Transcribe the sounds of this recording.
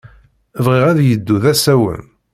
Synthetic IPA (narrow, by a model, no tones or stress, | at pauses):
vʁiʁæðjəd̪ːuðæsæwə̰n